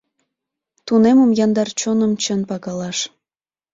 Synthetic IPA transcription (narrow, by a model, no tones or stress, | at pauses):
t̪uneməmjɑnd̪ɑrt͡ɕonəmt͡ɕənpɑɣɑlɑʃ